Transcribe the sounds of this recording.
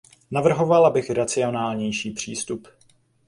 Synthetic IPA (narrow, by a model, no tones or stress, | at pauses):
navr̩ɦo̞valabɪxɾat͡sɪo̞naːlɲɛjʃiːpr̝̥iːst̪up